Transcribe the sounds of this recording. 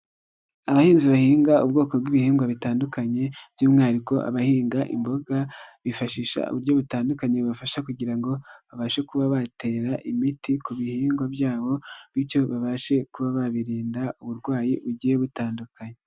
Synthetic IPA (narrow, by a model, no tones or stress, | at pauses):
aβahiːnziβahiːŋɡaṵbɡo̞ːko̞bɡiβihiːŋɡwaβitaːndukaɲe̞b̥juːmŋaːɾiko̞ʔa̰βahiːŋɡaʔḭmbo̞ɡaβifaʃiːʃa̰ṵβuɾjo̞βutaːndukaɲe̞βuβafaʃakuɟiɾaŋɡo̞βaβaʃe̞kuβaβate̞ːɾaʔimitikuβihiːŋɡwabjaːβo̞βiɾco̞βaβaʃe̞kuβaβaβiɾiːndauβuɾɡwaːjiβuɟiːjeβutaːndukaɲe